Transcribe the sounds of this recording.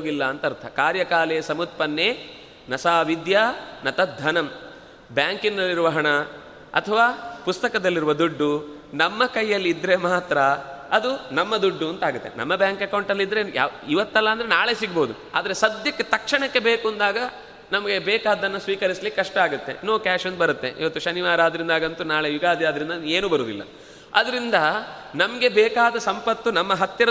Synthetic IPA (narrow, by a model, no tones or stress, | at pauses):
oːɡilːɐːnt̪ɐɾt̪ʰɐ̰kaːɾjɐkaːlesɐmut̪̚pɐnːeː | nɐsaːʋid̪jaːnɐt̪ɐd̪ʱːɐnɐm | bjaːŋkinːɐlːiɾuʋɐɦɐɳɐ | ɐ̰t̪ʰɐʋaːpust̪ɐkɐd̪ɐlːiɾuʋɐd̪uɖːu | nɐmːɐkɐjːɐlːiid̪ːɾemaːt̪ɾɐ | ɐd̪unɐmːɐd̪uɖːuɐnt̪ɐaːɡut̪ːenɐ̰mːɐbjaːŋkɐkɐwɳʈɐlːid̪ɾe̞ja̰ːiʋɐt̪ːɛlːɐːnd̪ɐɾe̞naːɭe̞siɡboːud̪u | a̰ːd̪ɐɾe̞sɐd̪jɐkːe̞t̪ɐkʂɐɳɐkːe̞beːkuɐnd̪aːɡɐ | nɐmɐɡe̞bɛːkaːd̪ɐnːɐsʋiːkɐɾislikːɐʂʈɐaːɡut̪ːe̞̰noːkaːʃɐnd̪bɐɾut̪ːe̞̰ʔḭʋɐt̪ːuʃɐniʋaːɾaːd̪ɐɾind̪aːɡɐnt̪unaːɭejuɡaːd̪jaːd̪ɐɾind̪ɐeːnuːbɐɾuːd̪ḭlːɐ̰ | ɐ̰d̪ɐɾind̪ɐ | nɐmɐɡe̞bɛːkaːd̪ɐsɐmpɐt̪ːunɐmːɐɦɐt̪jɐɾɐ